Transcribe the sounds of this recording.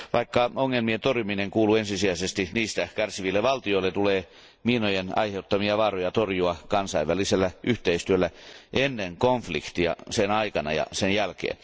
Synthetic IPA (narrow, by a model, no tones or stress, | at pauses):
ʋɑikːɑoŋːelmient̪orjumineŋkuːluensisiæisest̪iniːst̪ækærsiʋilːeʋɑlt̪ioilːet̪uleː | miːnojenɑ̰iheut̪ːɑmiɑʋɑrojɑt̪orjuɑkɑnsɑiʋʋæliselːæʔyht̪eist̪yølːæʔenːeŋkoɱflḭkt̪iɑ̰senɑikɑnɑ̰jɑ̰senjælkḛːn